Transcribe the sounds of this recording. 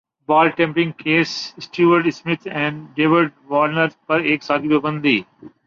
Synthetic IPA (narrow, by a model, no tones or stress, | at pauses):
baːlʈẽmpɾɪ̃ŋɡ̚keːssʈjuːʋəɾɖsmɪt̪ʰɛ̃ːɳɖeːʋəɾɖ̚ʋaːɾnəɾzpɐɾeːksaːt̪ʰipəbə̃nd̪d̪iː